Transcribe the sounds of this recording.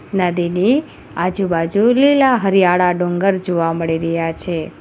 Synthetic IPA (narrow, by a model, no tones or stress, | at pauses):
nəd̪ini | ad͡ʒubad͡ʒulilaɦəɾijaɭaɖõŋɡəɾd͡ʒoʋaməɭiɾəɦjat͡ʃʰe